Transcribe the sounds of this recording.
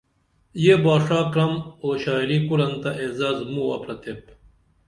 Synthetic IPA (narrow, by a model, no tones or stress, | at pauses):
jeːbaːʂaːkɾɐmoːɕaːjɾiːkuɾɐnt̪ɐʔeːzaːzmuwɐ̰pɾɐt̪ep̚